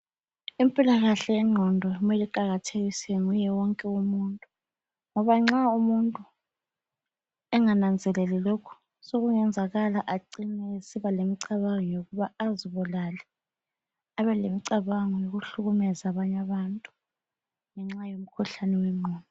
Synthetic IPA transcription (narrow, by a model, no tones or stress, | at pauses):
impʼilaɣaɬɛɛŋ͡ǁʱɔndʱɔjumeliǃaɣatʰeɣisɛŋujɛwɔŋkʼɛumuntʼu | ŋɔβaŋ͡ǁaumuntʼu | ɛŋanand͡zʱɛlɛlɛlokʰɔ̥ | soɣuŋɛnd͡zʱaɣalaʔaǀinɛesiβalemiǀaβaŋɔjoɣuβaaziβulalɛ | aβɛlemiǀaβaŋɔjoɣuɬuɣumɛzaβaɲaβantʼu | ŋɛŋ͡ǁajom̩kʰuɬanɛwɛŋ͡ǃʱɔːndʱɔ